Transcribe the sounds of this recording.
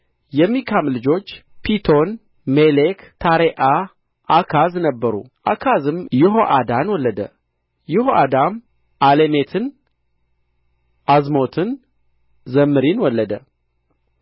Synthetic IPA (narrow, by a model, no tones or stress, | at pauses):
jɛmːikʰamlɨd͡ʒo̞t͡ʃːpʰit̪ʰo̞n | melekt̪ʰaɾeʔa | ʔakʰaznəbːəɾṵ | ʔakʰazɨmjɪɦoʔad̪anwɔlːəd̪ə̰ | jɪhoʔad̪am | ʔalemet̪ʰɨn | ʔazmo̞t̪ʰɨn | zəmːɨɾinwɔlːəd̪ə